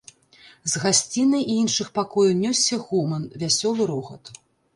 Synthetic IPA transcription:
zɣasʲt͡sʲinɐjiinʂɨxpakɔjɐwnʲɔsʲːɐɣumɐnvʲasʲɔlˠɨɾɔɣɐ̰t̪

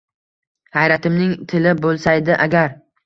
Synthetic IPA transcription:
hajɾat̪ʰɪmnɪŋt̪ʰɪlɪbolˠsajd̪ɪʔaɡʲaɾ

